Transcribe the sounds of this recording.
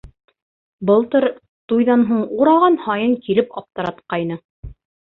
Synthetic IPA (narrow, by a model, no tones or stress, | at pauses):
bɤ̆lˠt̪ɤɾ | t̪ujðɑnɦuɴuɾɑlˠʁɑnhɑjɤŋkilɘpɑp̚t̪ɤ̆ɾɑt̪qɑjnɤ